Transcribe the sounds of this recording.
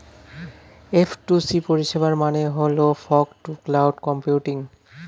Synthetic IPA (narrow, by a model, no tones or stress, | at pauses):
efʰʈusipoɾiʃebaɾmaneɦolofʰɔkʈuklawɖkɔmpjuʈiŋ